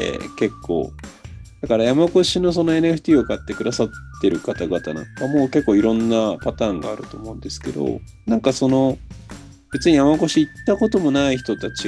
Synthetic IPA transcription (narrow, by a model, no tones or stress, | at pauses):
ḛke̞kʰːo̞̰ːd̪̥akaɾajamako̞ɕino̞s̬o̞no̞e̞nɨeɸɯ̟̥t̪ʲiːokat̪ːe̞kɯ̟d̪asat̪ːe̞ɾɯ̟kat̪aɡat̪anã̰ŋkamo̞ke̞kːo̞ːiɾõ̞nːapat̪ãːŋɡa̰ːɾɯ̟t̪oːmo̞ɯ̟̃nd̪e̞sɨ̥ke̞d̪o̞̰ | nãŋkaso̞no̞ | b̥e̞t͡sɨɲ̟ijamako̞ɕiːt̪ːako̞t̪o̞mo̞naiçi̥t̪o̞t̪at͡ɕi